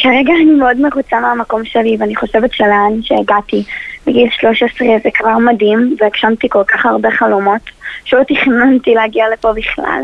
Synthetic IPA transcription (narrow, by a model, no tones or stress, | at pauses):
kaʁeɡaːnimeodmeʁut͡sameamako̞mʃeliveaniχo̞ʃevetʃeleanʃeːɡatibeɡilʃlo̞ʃesʁezekvaʁmadimveakʃamtiko̞lkaχaʁbe̞χalomo̞tʃeotiχnantileaɡialepobiχla̰l